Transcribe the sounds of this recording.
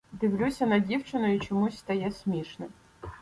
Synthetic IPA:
d̪ɨʋlʲusʲɐnɐdʲiwt͡ʃɪnʊit͡ʃɔmusʲst̪ɐjɛsʲmʲiʂnɪ

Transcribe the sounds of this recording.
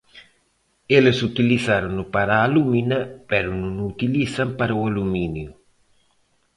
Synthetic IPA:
elesut̪iliθaɾunupaɾaːluminapɛɾununut̪ilisampaɾaualuminju

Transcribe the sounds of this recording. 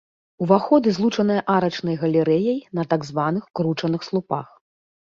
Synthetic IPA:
uvaxɔd̪ɨzlˠut͡ʂɐn̪ɨjɐʔaɾɐt͡ʂnɐjɣɐlʲɛɾɛjɐjnɐt̪aɡzvanɨxkɾut͡ʂɐnɨxslˠupa̰x

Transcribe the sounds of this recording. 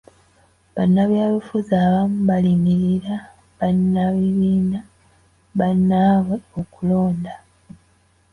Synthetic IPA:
βanːaβjaːlufuzaːβamuβalimiɾiɾa | βanːaβiβiːna | βanːaːβweo̞kulo̞ːnda

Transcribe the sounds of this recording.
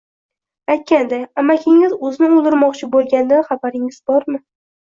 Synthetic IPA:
ajt̪̚kʲand̪aamakʲʰɪŋɪzɵzɪnɪʊlˠd̪ɪɾmɒqt͡ʃʰɪbolˠɡʲand̪anχabaɾɪŋɪzbɒɾmɪ

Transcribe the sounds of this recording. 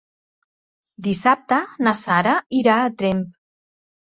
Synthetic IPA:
d̪isap̚t̪ənasaɾəiɾaːt̪ɾemp

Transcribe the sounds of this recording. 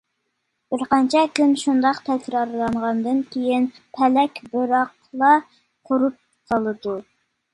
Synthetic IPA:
b̥ɪɾqɑnt͡ʃʰɛkʲynʃund̪ɑqt̪ʰɛkʲɾɑɾlˠɑɴʁɑnd̪ɨnkʲejin | pʰɛlɛkʲbɨɾɑq | lˠɑ | qʰʊɾup̚ | sɑlˠɨd̪u

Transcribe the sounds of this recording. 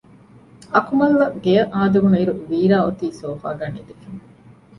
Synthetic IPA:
ɐkumɐlːɐɡejɐʔaːd̪uɡuniɾuʋiːɾaːot̪iːsoːfaːɡanːed̪ekeŋ

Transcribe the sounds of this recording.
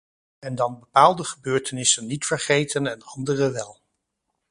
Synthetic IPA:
ɛndɑnbəpaːlˠdəχəbøːɹtənɪsənːitfəɹχejtənɛnɑndərəʋɛlˠ

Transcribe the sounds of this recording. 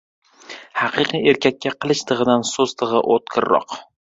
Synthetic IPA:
hɑqʰɨqʰie̞ɾkʲʰak̚ʲːaqʰɨlˠɪʃt̪ʰɨʁɨd̪ansozt̪ʰɨʁɨʔot̪̚kʰɪɾːɒ̰q

